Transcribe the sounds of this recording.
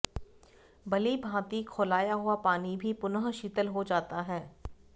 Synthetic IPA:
bɐlibʱãːt̪ikʰoːlaːjaɦʊapaːnibʱipʊnəɦʃiːt̪əlɦod͡ʒaːt̪aɦɛː

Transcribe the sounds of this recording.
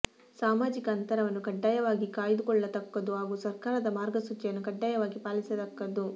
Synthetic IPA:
saːmaːd͡ʒikɐːnt̪ɐɾɐʋɐnːukɐɖːaːjɐʋaːɡikaːjid̪ukɔɭːɐt̪ɐkːɐd̪uɦaːɡuːsɐɾkaːɾɐd̪ɐmaːɾɡɐsut͡ʃːɐjɐnːukɐɖːaːjɐʋaːɡipaːlisɐt̪ɐkːɐd̪u

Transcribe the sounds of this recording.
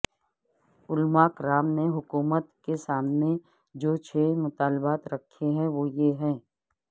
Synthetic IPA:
ʊlmakɾaːmneɦʊkuːmət̪kesaːmnẽ | d͡ʒoːt͡ʃʰeːmʊt̪aːlbaːt̪ɾɐkʰːeɦɛ̃ʋoːjeɦɛ̃ː

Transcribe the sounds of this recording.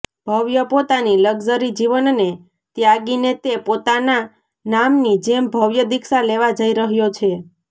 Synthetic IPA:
b̥ʱəʋjəpot̪aniləɡzəɾid͡ʒiʋənne | t̪jaɡinet̪epot̪ana | namnid͡ʒembʱəʋjəd̪iksaleʋad͡ʒəiɾəɦjot͡ʃʰe

